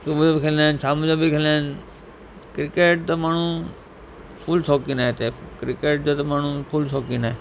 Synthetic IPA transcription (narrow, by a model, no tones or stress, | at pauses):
subd͡ʒobikʰelansaːmud͡ʒobikʰeːlen | kɾɪkeːʈ̚t̪əmaːɳ̤ũ | pʰuːlsoːkĩnaet̪ekɾɪkeːʈ̚d͡ʒoːt̪ɐmaːn̤ũpʰuːlsoːkinaeː